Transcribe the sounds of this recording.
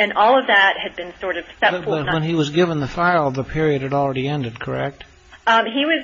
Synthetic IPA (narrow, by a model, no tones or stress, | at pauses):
ɨ̃nɔlˠʌvðɨt̚hɨd̚bɨ̃nsɔɹɾʌv̥sɛʌt̚wə̃niwʌzɡɪvə̃nðɨfaɪl̩ˠʌvðəpʰɪɹiɨd̚ɨɾl̩ˠɹɛɾiɛ̃ndɨd̚kʰə˞ɛk̚t̚ | iwʌz